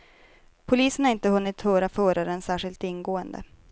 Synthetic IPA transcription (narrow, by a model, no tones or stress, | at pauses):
pʰʊliːsənhaɾɪnt̪əɦɵnːɪt̪hœːɾafœːɾaɾənsæːʂɪlt̪ɪnːɡoːənd̪ə̰